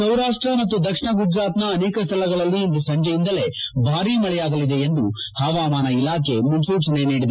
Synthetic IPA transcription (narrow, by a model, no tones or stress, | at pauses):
sɐwɾaːʂʈɾɐmɐt̪ːud̪ɐkʂɐɳɐɡud͡ʒɾaːt̪nɐːneːkɐst̪ʰɐlɐɡɐɭɐlːiend̪usɐɲd͡ʒɐjind̪ɐle̞bʱaːɾimɐɭɛjaːɡɐlid̪e̞ːnd̪u | haːʋaːmaːnɐilaːkʰe̞munsuːt͡ʃɐne̞niːɽid̪